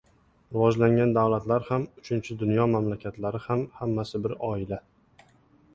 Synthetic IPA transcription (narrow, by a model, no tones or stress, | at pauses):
ɾɪvɒd͡ʒlaŋɡʲand̪awlat̪laɾhamʊt͡ʃʰɪnt͡ʃʰɪd̪ʊnjɒmamlakʲʰat̪laɾɪhamhamːasɪbɪɾɒɪla